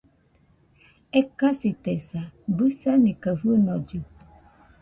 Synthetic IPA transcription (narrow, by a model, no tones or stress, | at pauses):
ekasit̪esabɨsanĩkəfɨnɔ̃d͡ʒɨ